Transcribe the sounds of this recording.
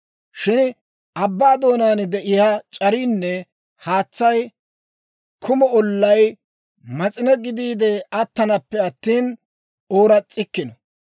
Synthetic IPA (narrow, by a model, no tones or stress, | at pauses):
ʃɪn | ʔɐbːaːd̪o̞ːnaːnd̪ɛʔɪjat͡ʃʼɐɾiːnːɛ | haːt͡sːɐj | kʰʊmɔɔlːɐj | mɐt͡sʼɪnɛɡɪd̪iːd̪ɛɐt̪ːɐnɐpːɛɐt̪ːiːn | o̞ːɾɐt͡sʼːɪkːɪnɔ